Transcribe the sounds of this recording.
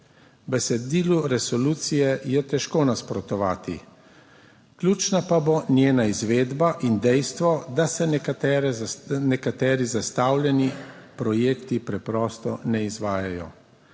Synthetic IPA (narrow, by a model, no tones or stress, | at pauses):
bɛsɛd̪iːluɾɛsɔluːt̪sijɛjɛt̪ɛʃkoːnaspɾɔt̪ɔʋaːt̪ḭ | klʲuːt͡ʃnapabonjeːnaizʋeːd̪baʔind̪ɛjst̪ʋɔd̪asɛɛɾɛnɛkat̪ɛːɾizast̪aːwljɛnipɾɔjeːkt̪ipɾɛpɾɔːst̪ɔ̰nɛizʋaːjajɔ̰